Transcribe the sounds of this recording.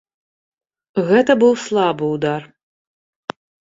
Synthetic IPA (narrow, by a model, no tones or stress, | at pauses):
ɣɛt̪ɐbɨlˠslˠabɨud̪ar